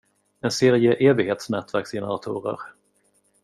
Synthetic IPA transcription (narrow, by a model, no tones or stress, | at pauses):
ɛnseːɾɪəʔeːvɪɡheːt̪snɛːt̪væɾksjɛnəɾat̪ʰṵːɾə̰ɾ